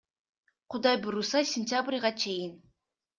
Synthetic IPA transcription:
qʰʊd̪ɑjbuɾusɑsʲɪnʲt̪ʲabrʲʁɑt͡ʃʰe̞jɪn

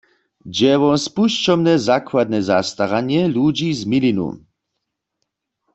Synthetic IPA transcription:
d͡ʑɛwɔnspuʃt͡ʃɔmnɛzakwad̪̚nɛza̰st̪aʁaɲjɛlud͡ʒizmilinṵ

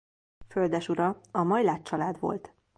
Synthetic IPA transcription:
fø̞ld̪ɛʃuɾɒɒmɒjlaːtt͡ʃɒlaːd̪ʋo̞̰lt̪

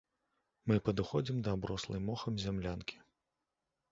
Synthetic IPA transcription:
mɨpɐd̪uxɔd͡zʲimd̪ɐbɾɔslˠɐ̰jmɔxɐmzʲamlʲankʲʰi̥

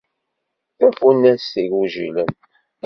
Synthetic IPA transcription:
θæfunːæsiɾuʒḭlən

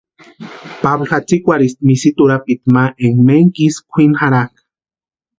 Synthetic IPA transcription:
pablxat͡sikʷaɾis̚misit̪uɾap̚it̪maʔeŋmeŋkiskʷʰinxaɾak

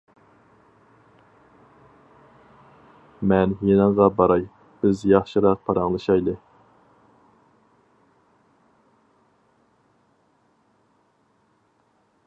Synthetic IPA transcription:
mɛnjenəŋʁɑbɑɾɑj | b̥ɪzjɑχʃɨɾɑq̚pʰɑɾɑŋlˠɨʃɑjd̪ɨ

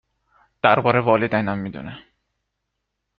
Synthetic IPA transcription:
d̪̥æɾbɒːɾevɒːled̪ænæmːid̪ṵnæ

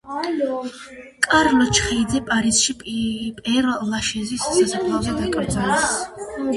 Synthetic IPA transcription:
kʼaɾlɔt͡ʃʰχiːd̪zɛpʼaɾisʃipʼpʼɛɾlaʃɛzisːasakʰlˠaɔbad̪akʼaw̪zʰʼalɛs

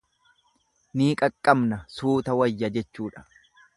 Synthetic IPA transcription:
niːkʼɐkʼːɐmnɐsuːt̪ɐwɐjːɐd͡ʒɛt͡ʃːuːᶑɐ̥

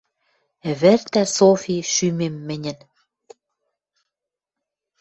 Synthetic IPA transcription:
ɘ̆βɘ̆rt̪æsofʲiʃymemːɘ̆nʲɘ̆n

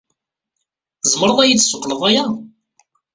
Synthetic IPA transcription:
zˤməɾˤəðˤæjit͡sːsʊqːləðˤæjæ

